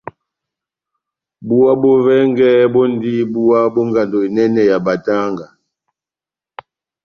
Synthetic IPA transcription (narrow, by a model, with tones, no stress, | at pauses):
bu˦wa˦bɔ˦vɛ˦ŋɡɛ˦bɔ˦n˦di˦bu˦wa˦bɔ˦ŋɡa˨ndɔ˨i˨nɛ˦nɛ˨ja˨ba˨ta˦ŋɡa˨